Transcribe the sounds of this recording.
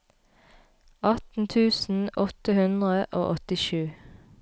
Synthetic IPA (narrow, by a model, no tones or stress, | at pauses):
ʔɑt̪n̩t̪ʰʉːsn̩ʔɔt̪əhʉnd̪ʁəʔo̰ːʔɔt̪ɪʃʉː